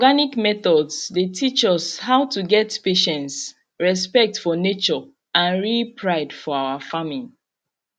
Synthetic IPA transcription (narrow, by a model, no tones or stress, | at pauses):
ɔɡanikmɛθɔdsdetʰit͡ʃɔshaʊtuɡɛtpeʃɛ̃nts | ɹɛspɛk̚tfɔnet͡ʃɔ | ãnɹipʰɹaɪdfɔawafamili